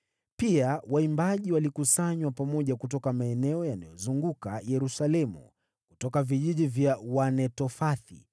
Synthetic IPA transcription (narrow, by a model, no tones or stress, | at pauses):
piawaimbaʄiwalikusaɲwapamɔʄakutɔkamaɛnɛɔjanajɔzuŋɡuka̰jɛɾusalɛmṵ | kutɔkaviʄiʄivjawanɛtɔfaθḭ